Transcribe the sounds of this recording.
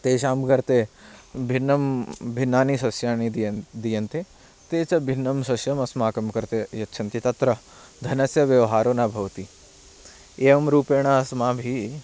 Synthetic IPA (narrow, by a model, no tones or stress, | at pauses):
t̪eːʃaːmɡɐɾt̪eːbʱinːɐmbʱinːaːnisɐsjaːnid̪ijɐnt̪eː | t̪eːt͡ʃɐbʱinːɐmsɐsjɐmɐsmaːkɐmkɐɾt̪ejɐtːʃʰɐnt̪it̪ɐt̪ɾɐ | d̪ʱɐnɐsjɐʋjɐʋɦaːɾoːnaːbʱɐʋɐt̪i | eːʋɐmɾuːpeːɽ̃aːɐsmaːbʱi